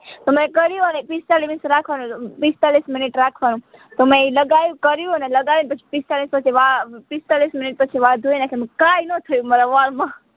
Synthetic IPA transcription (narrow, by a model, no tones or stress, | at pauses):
t̪omẽkəɾjũnepist̪alimisɾakʰʋanũpist̪alisminiʈɾakʰʋanũt̪omẽiləɡajukəɾjũneləɡajinpət͡ʃʰi̥pist̪alispət͡ʃʰiʋapist̪alisminiʈ̚pət͡ʃʰiʋad̪ʱuinakʰemẽkainət̪ʰəjumeɾaʋaːlmã